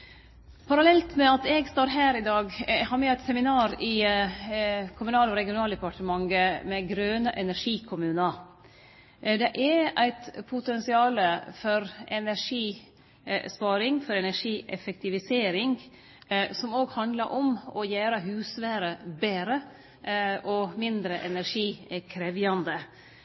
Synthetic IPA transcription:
pʰɑɾɑlɛlt̪mɛɑt̪ɛɡst̪oːɾɦæːɾɪd̪ɑːɡhɑːɾmɛæɪt̪sɛmɪnɑːɾɪ | kʰʊmʉnɑːlɔɾɛɡɪʊnɑːld̪ɛpɑʈəmɑŋɡəmɛɡɾøːnəʔɛnæɾʂiːkʰʊmʉːnə | d̪ɛʔɛɾæɪt̪pʰʊt̪ɛnsɪɑːləfɔɾɛnæɾʂiː | spɑːɾɪŋfɔɾɛnæʂiːʔɛfɛk̚t̪ɪʋɪseːɾɪŋ | sɔmoːɡhɑnd̪ləɾʔɔmɔjæːɾəɦʉːsʋæːɾəbeːɾə | ʔɔmɪnd̪ɾəʔɛnæɾʂiːkʰɾɛʋjɑnd̪ə

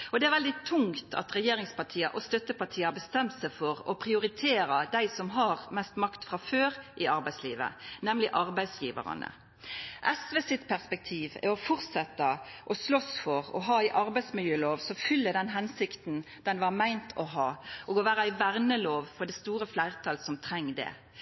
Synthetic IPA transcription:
ɔd̪ɛæɾʋɛld̪ɪt̪ʰʊŋt̪ʰɑ̰t̪ɾɛjeːɾɪŋspɑʈʰiːɑʔɔst̪œt̪ːəpɑʈ̪ʰiːɑbəst̪ɛmt̪sæɪfɔɾɔpʰɾɪʊɾɪt̪ʰeːɾɑd̪æɪsɔmɦɑɾmɛst̪mɑkt̪fʁɑføːɾʔɪɑɾbæɪslḭːʋə̰nɛmlɪʔɑɾbæɪsjiːʋə̰ʁɑ̰nə̰ | ʔɛsʋeːsɪt̪pʰæʁspɛk̚t̪ʰiːʋæ̰ɾɔfɔʁt̪sɛt̪ːəʔɔslɔsfɔʁɔ̰ɦɑːæɪʔɑɾbæɪsmɪljøːloːʋsɔfʏlːəd̪ɛnɦɛnsɪkt̪n | d̪̥ɛnʋɑmæɪnt̪ʰɔɦɑːʔɔɡoːʋæːɾəɪʋæʁnəloːʋfɔɖ̪ɛst̪uːɾəflæɪʁt̪ʰɑːlsɔmt̪ʰɾɛŋːd̪ɛ̰

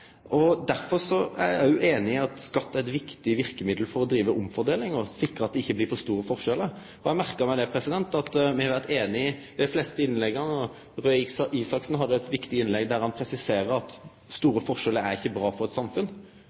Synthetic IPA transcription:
ʔɔd̪æɾfɔɾsɔæ̰jæ̰ɪjʊʔeːnɪɪɑt̪skɑt̪ːæɾɛt̪ʋɪkt̪ɪʋɪɾkəmɪd̪l̩fɔɾɔd̪ɾiːʋəʔʊmfɔɾd̪eːlɪŋɔsɪkɾəɑt̪̚d̪ɛɪçːəblɪːɾfɔɾst̪uːɾəfɔʁʂɛlə | ɔjæɪmæʁkəmæɪd̪ɛpʰɾɛsɪd̪ɛnt̪ɑt̪mɪhɑɾʋæʁt̪eːnɪɪd̪ɛflɛːst̪əɪnlɛɡəʁnɔ | ɾœsiːsɑksnɦɑd̪ːəɛt̪ʋɪkt̪ɪɪnlɛɡd̪æɾhɑnpʰɾɛsɪseːɾəɾɑt̪ | st̪uːɾəfɔɾʂɛləɾæɾɪçːəbɾɑːfɔɾɛt̪sɑmfʉn

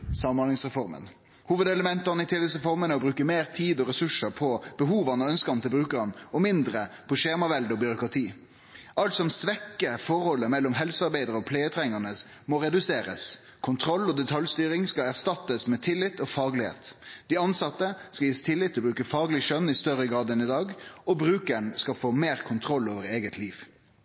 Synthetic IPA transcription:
sɑmɑnɪŋsʁɛfɔɾmə̰n | huːʋəd̪ɛləmɛnt̪əʁnəɪt̪ʰɪlɪt̪sʁɛfɔɾmənəɔbɾʉːkəmeːʁt̪ʰiːd̪ɔɾɛsʉʂəpʰɔb̥əɦuːʋɑnəœnskɑnt̪ʰɪlbɾʉːkəʁɑnɔmɪnd̪ɾəpʰɔʃeːmɑʋɛld̪əɔbʏɾʊkʁɑt̪ʰiː | ʔɑlt̪sɔmsʋɛkːəfɔɾhɔlːəmɛlːɔmɦɛlsəɑɾbæɪd̪əɾəɔpʰleːət̪ʰɾɛŋɑʁnəs | mɔɾɛd̪ʉseːɾə̰s | kʰʊnt̪ʰɾɔlːɔd̪ɛt̪ʰɑljst̪yːɾɪŋskɑæʁst̪ɑt̪ːəsmɛt̪ʰɪlːɪt̪ːɔfɑːɡlɪhḛːt̪d̪̥ɪɑnsɑt̪ːəskɑiːəst̪ʰɪlːɪt̪ʰːɪlɔbɾʉːkəfɑːɡlɪʃœnːɪst̪œɾəɡɾɑːd̪ənɪd̪ɑːɡɔbɾʉːkəɳskɑfoːmeːɾkʰʊnt̪ʰɾɔlːoːʋəɾeːɡət̪ʰliːʋ

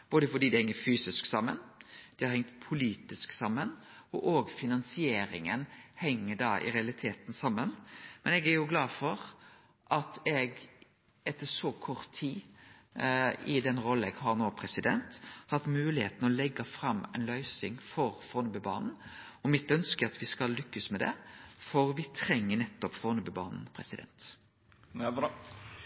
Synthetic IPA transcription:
b̥oːd̪əfɔɖiːd̪ɪhɛŋːəɾfyːsɪsksɑmːə̰nd̪̥ɛhɑɾhɛŋt̪pʰʊliːt̪ɪsksɑmːən | ɔʔoːɡfɪnɑnsɪeːɾɪ̰ŋənhɛŋːəɖɑːʔɪ̰ɾɛɑlɪt̪ʰeːt̪n̩sɑmːənmɛnɛɡæɾjʊɡlɑːfɔɾ | ʔɑt̪ɛɡ | ɛt̪ʰːəʂɔkʰɔʁt̪ʰːiː | ɪd̪ɛnɾɔlːɛɡhɑɾnoːpʰɾɛsɪd̪ɛ̰nt̪hɑt̪mʉːlɪhḛːt̪nəɔlɛɡːɑfɾɑmːɛ̰nlœʏsɪŋfɔɾfɔːnʉːbʉbɑ̰ːnn̩ | ɔmɪt̪œnskəɑt̪ʋɪskɑlːʏkːəsmɛd̪ɛ̰fɔɾʋɪt̪ʰɾɛŋːənɛt̪ːɔpfɔnʉbʉbɑ̰ːnn̩pʰɾɛ̰sɪd̪ɛ̰nt̪

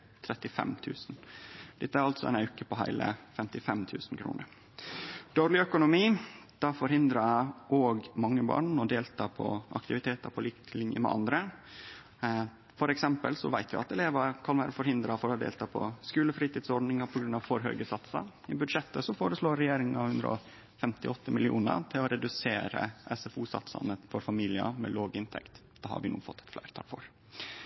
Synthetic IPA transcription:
t̪ʰɾɛt̪ːɪfɛ̰mt̪ʰʉ̰ːsnd̪̥ɛt̪ːəæɾɑlt̪sɔɛ̰nɑʉkəpɔɦæ̰ɪlə̰fɛmt̪ɪfɛmt̪ʰʉːsn̩kʰɾṵːnəɾ | d̪̥oːɾlɪœkʊnʊmiːd̪̥æfɔɾhɪnd̪ɾɑʔoːɡmɑŋːəbɑ̰ːɳɔd̪eːlt̪ʰɑːpʰɔ̰ʔɑ̰kt̪ɪʋɪt̪ʰeːt̪əɾpʰɔlɪklɪnjə̰mɛ̰ʔɑ̰nd̪ɾə | fɔɾɛksɛmpəlsɔ̰ʋæɪt̪ʋɪ̰ɑt̪ɛleːʋɑɾkʰɑnʋæːɾəfɔɾhɪnd̪ɾɑfɔɾɑd̪ḛːlt̪ʰɑːpʰɔ̰skʉːləfɾiːt̪iːd̪sɔɾɖnɪŋɑpʰɔɡɾʉnɑʋfɔɾɦœʏɡəsɑt̪sɑ̰ | ɪbʉd̪ʂɛt̪ːəsɔfoːɾəsloːɛjeːɾɪŋəɑʋhʉnd̪ɾə̰ɔ | fɛmt̪ɪɔt̪ːəmɪlɪṵːnə̰ɾt̪ʰɪlɔɾɛd̪ʉseːɾə̰ʔɛsɛfuːsɑ̰t̪sɑ̰nəfɔɾfɑmiːlɪə̰mɛ̰loːɡɪnt̪ʰɛ̰kt̪d̪ɛːhɑ̰ɾʋɪnṵːfɔ̰t̪ːɛ̥t̪flæ̰ɪɾt̪ʰɑ̰ːlfɔɾ

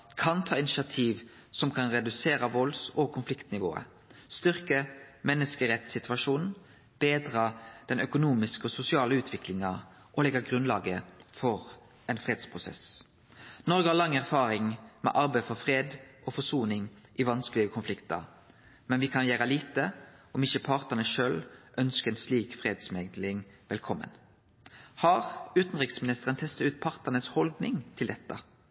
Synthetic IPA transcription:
kʰɑnt̪ʰɑːɪnɪʃɪɑt̪ʰiːʋ | sɔmkʰɑnʁɛd̪ʉseːʁəʋɔlsɔkʰʊnflɪkt̪nɪʋo̰ːə̰ | st̪ʏʁkəmɛnːəskəʁɛt̪sɪt̪ʰʋɑʂuːnn̩ | b̥eːd̪ʁɑd̪̥ɛnœkʊnuːmɪskəɔsʊsɪɑːləʉːt̪ʰʋɪklɪŋɑ | ʔɔlɛɡːɑɡʁʉnlɑːɡəfɔʁ | ɛnfʁeːd̪spʰʁʊsɛ̰s | nɔʁɾɡəhɑʁlɑŋːæʁfɑːʁɪŋmɛ̰ʔɑʁbæɪfɔʁfʁeːd̪ʔɔfɔsuːnɪŋ | ʔɪʋɑnsklɪəkʰʊnflɪkt̪ɑ̰ʁ | mɛnʋɪkʰɑnjæːʁəliːt̪əɔmɪçəpʰɑʁt̪ənəʃøːlʔœnskɛːnsliːkfʁeːd̪smɛɡ̪lɪŋʋɛlkʰɔmːə̰n | hɑʁʉːt̪n̩ʁɪksmɪnɪst̪əʁənt̪ʰɛst̪ɑʉːt̪̚pʰɑʁt̪ənəshɔld̪nɪŋt̪ʰɪld̪ɛt̪ːɑ

